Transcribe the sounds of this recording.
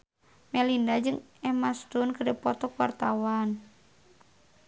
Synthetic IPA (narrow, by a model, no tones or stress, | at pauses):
mɛlindad͡ʒɨŋɛmast̪unkədəpɔt̪ɔkuwa̰rt̪awan